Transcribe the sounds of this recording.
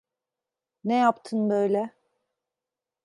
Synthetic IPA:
nejapt̪ʰɯnbø̞jlʲɛ

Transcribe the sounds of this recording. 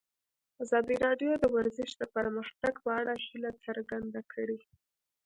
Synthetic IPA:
azɑd̪iɾɑɖjod̪əwaɾzɪʃd̪əpəɾməxt̪aɡpəaɽaʃilat͡səɾɡand̪akʰəɽi

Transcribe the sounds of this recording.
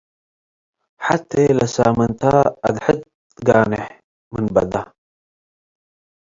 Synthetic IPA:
ħat̪ːelasaːmənt̪aːd̪ħət̪̚ | ɡaːneħ | mənbɐ̰d̪a

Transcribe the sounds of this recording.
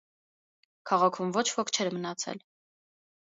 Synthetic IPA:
kʰɑʁɑkʰumvɔt͡ʃʰvɔkʰt͡ʃʰɛɾmənɑt͡sʰɛ̰l

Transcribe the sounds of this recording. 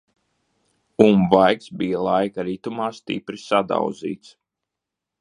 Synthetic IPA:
umvajksbijalˠajkaɾit̪umaːst̪ḭpɾisad̪a̰w̪zḭːt̪s

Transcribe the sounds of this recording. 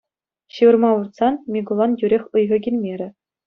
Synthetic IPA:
ɕɯʋɤ̆rmɑʋurt̪sɑnmʲiɡulˠɑnjyɾʲexʲɯjʁɤ̆ɡʲilʲmʲeɾʲɘ̆

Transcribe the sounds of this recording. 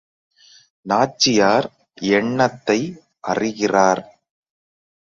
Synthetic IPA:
naːt͡ʃːɪjaːɾ | ɛɳːɐt̪ːɐɪ | ʔɐrɪɣɪraːɾ

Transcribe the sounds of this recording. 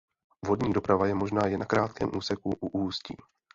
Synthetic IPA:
vodɲiːdo̞pɾavajɛmo̞ʒnaːjɛnːakɾaːt̪̚kɛ̰ːmʔuːsɛkuʔuʔuːscḭː

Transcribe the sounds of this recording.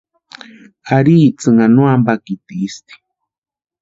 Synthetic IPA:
aɾit͡sɨŋanũambakit̪iːst̪i̥

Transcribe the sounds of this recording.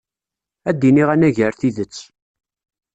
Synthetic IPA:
æd̪ːiniʁænæʝəɾθiðət͡sː

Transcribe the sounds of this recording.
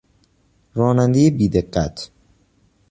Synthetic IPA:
ɾɒːnænd̪ejebiːd̪eɢːæt̪ʰ

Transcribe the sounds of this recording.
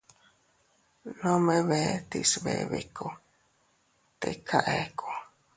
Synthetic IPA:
nõmeβet̪isβḛβḭkʰo | t̪ekʰaʔeko

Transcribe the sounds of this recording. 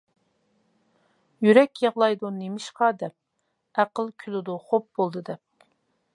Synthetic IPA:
jyɾɛkʲjɑʁlˠɑjd̪unemɪʃqɑːd̪ɛp̚ | æqəlˠkʲʰylɪd̪ʊχop̚bolˠd̪ɨd̪ɛp̚

